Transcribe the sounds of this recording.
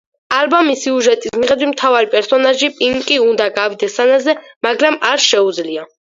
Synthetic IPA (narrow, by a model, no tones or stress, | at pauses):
albamisiuʒɛt̪ʼismiʁɛd̪wit̪ʰmt̪ʰavaɾipʼɛɾsɔnaʒipʼiŋkʼiund̪aɡavid̪ɛsanazɛmaɡɾamaɾʃɛud̪zlia